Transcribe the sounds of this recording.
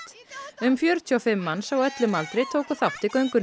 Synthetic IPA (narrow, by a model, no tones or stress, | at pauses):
t̪ | ʏmfjœɾt̪ʰyɔfɪmːansawœt̪lʏmalt̪ɾejt̪ʰoːwkɔθawht̪ɪkœɥŋkʏn